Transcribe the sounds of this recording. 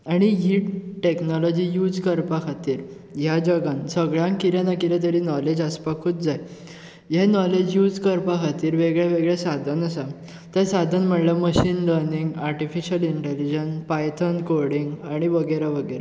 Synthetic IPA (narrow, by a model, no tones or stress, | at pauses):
aɽ̃iɦiːʈʈeknɔlɔd͡ʑiːjud͡zkəɾpakʰat̪iːɾ | jad͡ʑəɡãnsəɡɭjãŋkiɾjãnakiɾɛt̪əɾiːnɔled͡ʑəspakʰːuːt̪d͡zaj | jɛnɔled͡ʑjud͡zkəɾpakʰat̪iːɾʋeɡɭjaʋeɡɭasad̪ʱənəsa | t̪ɛ̃sad̪ʱənm̤əʈləməɕiːnləɾniŋɡaɾʈifiɕəliɳʈelid͡ʑənpajt̪ʰənkoɾɽiŋɡaɽ̃iʋəɡəjɾaʋəɡəjɾa